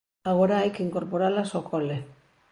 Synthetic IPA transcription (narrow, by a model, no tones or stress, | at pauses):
aɣoɾajkiŋko̞ɾpoɾalasokʰole